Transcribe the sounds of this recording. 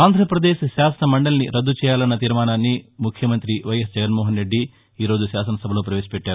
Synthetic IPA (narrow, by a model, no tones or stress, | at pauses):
aːnd̪ʱɾɐpɾɐd̪e̞ːʃʃaːsɐnɐmɐɳɖɐlɐniɾɐd̪ːut͡ʃɛːjaːlɐnːɐt̪iːɾmaːnaːnːimukʰjɐmɐnt̪ɾiʋɐjɐsd͡ʒɐɡɐnmoːɦɐnɾe̞ɖːi | iːɾoːd͡ʒuʃaːsɐnɐsɐbʱɐloːp̬ɾɐʋeːʃɐ̥pɛʈːaːɾu